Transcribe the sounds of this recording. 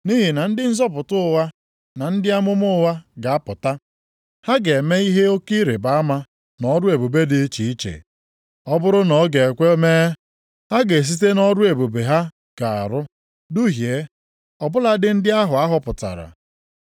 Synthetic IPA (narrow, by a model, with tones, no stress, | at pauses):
ni˦ɦi˨na˨n̩˦dɪ˦n̩˦zɔ˦p̬ʊ˨tʊ˦ʊ˦˨wa˦ | na˨n̩˦dɪ˦a˦mʊ˦mʊ˦wa˦ɡa˨a˦pʊ˨ta˦ | ha˦ɡe˨me˦i˦ɦe˦o˦ki˦ɾe˨ba˨˦a˦ma˦ | nɔ˦ɾʊ˦e˨bo˨be˦dɪ˨˦t͡ʃi˨i˦t͡ʃḛ˨ | ɔ˦bʊ˦ɾʊ˦nɔ˨˦ɡe˨e˨kʷe˦me˦ | ha˦ɡe˨s̬i˦t̬e˦nɔ˦ɾʊ˦e˨bo˨be˨ɦa˦ | ɡ̥a˨a̰˨ɾʊ˦ | du˦ɦje˨˦ | ɔ˨bʊ˦la˦dɪ˦n̩˦dɪ˦a˦ɦʊ˨a˦ɦʊ˨pʊ˨ta̰˨ɾa̰˨